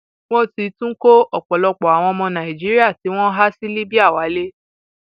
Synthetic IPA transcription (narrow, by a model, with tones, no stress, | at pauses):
w̃ɔ̃˦ti˧tũ˦ko˦ɔ˨k͡pɔ˨lɔ˧k͡pɔ˨a˨w̃ɔ̃˧mɔ̃˧nã˨i˨d͡ʒi˨˦ɾi˦a˦˨ti˨˦w̃ɔ̃˦ɦa˦si˦li˦bi˦a˦˨wa˨˦le˦